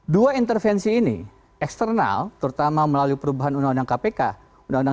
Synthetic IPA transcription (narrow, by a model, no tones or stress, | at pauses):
duaint̪ərfɛnsiːnḭ | ɛkst̪ərna̰lt̪əɾt̪amaməlaluipəɾubaɦanundaŋundaŋkapeka | undaŋuna